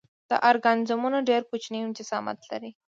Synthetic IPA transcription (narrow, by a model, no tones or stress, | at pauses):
d̪̥ə̰ʔaɾɡanɪzamunaɖeɾkut͡ʃniɪnt̪ɪzɑ̰ma̰t̪la̰ɾi